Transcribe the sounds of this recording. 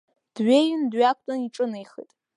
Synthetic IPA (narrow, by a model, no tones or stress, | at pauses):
d̥ɥejndɥakʷʰʼtʼaniʈ͡ʂʼɨnejχḭtʼ